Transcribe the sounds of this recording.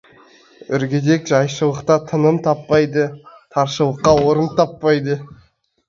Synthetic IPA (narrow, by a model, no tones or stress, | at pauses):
ʏɾɡʲed̪e̞kʒɑjʃəlˠəqt̪ɑt̪ʰənəmt̪ʰɑpːɑjd̪ət̪ʰɑɾʃəlˠəqːɑwoɾənt̪ʰɑpːɑjd̪ə